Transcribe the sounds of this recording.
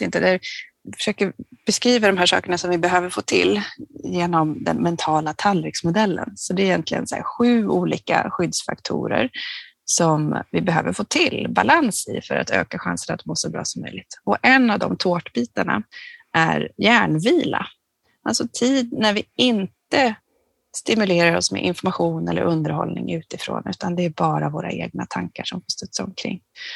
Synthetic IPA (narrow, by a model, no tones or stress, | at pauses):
ɪnt̪əd̪fœ̥ʂøːkəɾb̥ɛskɾiːvad̪ɔmɦæːʂɑ̰ːkəɳasɔmvɪbɛɦøːvəɾfoːt̪ʰɪ̰ljeːnɔmd̪ɛ̰nmɛnt̪ʰɑːlat̪ʰalɾɪksmʊd̪ɛlːə̰nsɔd̪ɛɾɛjɛnt̪lɪɡə̰nsæ̰ɾɧʉ̟ːuːliːka̰ɧʏd̪sfa̰kt̪ʰṵːɾə̰ɾ | sɔmvɪbɛɦøːvəɾfoːt̪ʰɪlbalansɪfœɾʔa̰t̪ø̰ːkaɧansənat̪moːsɔbɾɑ̰ːsɔmːœjlɪɡ̚t̪ɔʔɛnːavd̪ɔmt̪ʰoːʈbiːt̪aɳa̰ʔæɾjæːɳviːla | alsɔt̪ʰiːd̪næɾvɪɪnt̪ə | st̪ɪmɵleːɾaɾɔsmɛ̰ʔɪnfɔɾmaɧuːnɛlːəɾʔɵnd̪əɾhɔ̰lnɪŋʉ̟ːt̪ɪfɾo̰ːnʉ̟ːt̪ʰand̪ɛæɾbɑːɾavoːɾaʔeːɡ̚nat̪ʰaŋkaʂɔmfɔst̪œt̪sɔmkʰɾɪ̰ŋː